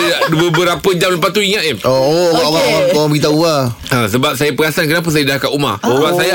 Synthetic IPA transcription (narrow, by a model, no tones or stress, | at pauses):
aduəbəɾapəd͡ʒamləmpat̪uiŋat̪iʔooɡaʔawaawaŋkawabəɡit̪̬auaəsəbap̚sajapəɡasankənap̬uns̬ajadakaʔuma̰omasaja